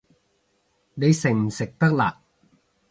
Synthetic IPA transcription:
da˥˩jse˨˩nse˨˩k̚t̪a˥˩la̰˨˩k̚

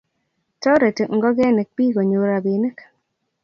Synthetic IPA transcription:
tɔ˦ɾe˨te˨ŋ˦ɡɔ˦ɡɛ˦ne˨k̚pi˦ɡo˨ɲo˨ɾa˨bi˨nɛ˦k

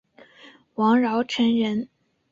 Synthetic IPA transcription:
wɑ˧˥ŋɻɑ˧˥ʊʈ͡ʂʰə˧˥nɻə˧˥n

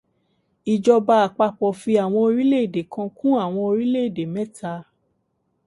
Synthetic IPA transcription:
i˨d͡ʒɔ˧ba˧a˨k͡pa˧k͡pɔ˨fi˧a˨w̃ɔ̃˧o˧ɾi˦le˦i˦˨de˨kã˧kũ˦a˦˨w̃ɔ̃˧o˧ɾi˦le˦i˨de˨mɛ̃˦tʰa˧

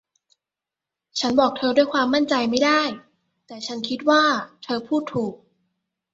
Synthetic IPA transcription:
t͡ɕʰa˦˥nbɔː˨˩k̚t̪ʰɤː˧du˥˩jkʰwaː˧mːa˥˩nt͡ɕa˧jma˥˩jdaː˥˩j | t̪ɛː˨˩t͡ɕʰa˦˥nkʰi˦˥t̪̚waː˥˩t̪ʰɤː˧pʰuː˥˩t̪ʰːuː˨˩k̚

